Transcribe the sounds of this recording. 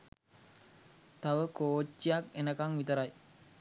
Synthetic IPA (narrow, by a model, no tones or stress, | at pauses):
t̪aʋəkoːt͡ʃːijakenəkaŋʋit̪əɾaj